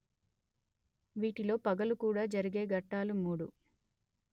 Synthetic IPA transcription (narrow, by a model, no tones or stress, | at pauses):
ʋiːʈilo̞ːpɐɡɐlukuːɽaːd͡ʒɐɾiɡe̞ːɡɐʈːaːlumuːɽu